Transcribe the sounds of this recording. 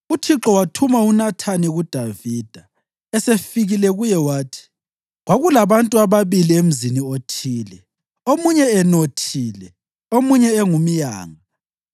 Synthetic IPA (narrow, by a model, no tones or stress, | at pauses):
utʰiǁɔwatʰumaunatʰaniɣud̥ʱaviːd̥ʱa | ɛsefiɣilɛɣujɛwaːtʰi̥ | ɣwaɣulaβantʼuaβaβiliem̩ziniotʰiːlɛ | omuɲɛɛnotʰiːlɛ | omuɲɛːŋumija̰ːŋa